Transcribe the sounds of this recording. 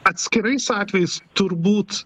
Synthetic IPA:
ɐt̪ʲsʲkʲɪɾɐɪsɑːt̪ʲʋʲɛjɪst̪ʊɾbuːt̪

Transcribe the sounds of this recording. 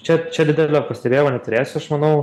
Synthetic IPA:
t͡ʃʲɛt͡ʃʲɛd̪ʲɪd̪ʲɛlʲoːpɐsʲt̪ʲɛbʲeːjmoːnʲɛt̪ʊɾʲeːsʲʊɐʃmɐnɐʊ

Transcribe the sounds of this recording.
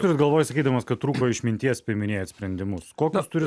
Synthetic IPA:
ʊɾʲɪt̪ɡɐlˠʋoːjsɐkʲiːd̪ɐmɐskɐtt̪ːɾuːkoːɪʃmʲɪnʲt̪ʲiɛspʲɪmʲɪnʲeːjɛt̪sʲpʲɾʲɛnʲd̪ʲɪmʊskoːkʲʊst̪ʊɾʲɪ

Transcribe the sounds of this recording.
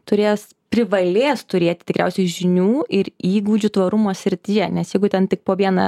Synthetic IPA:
t̪ʊɾʲeːs | pʲɾʲɪʋɐlʲeːst̪ʊɾʲeːt̪ʲɪ̥t̪ʲɪkɾʲɛ̰ʊsʲɛɪʒʲɪnʲuːɪɾiːɡʋʊd͡ʒʲʊt̪ʋɐɾʊmoːsʲɪɾʲt̪ʲɪjɛnʲɛsjɛɪɡʊt̪ʲɛnt̪ʲɪk̚poːʋʲiɛnɐ̰

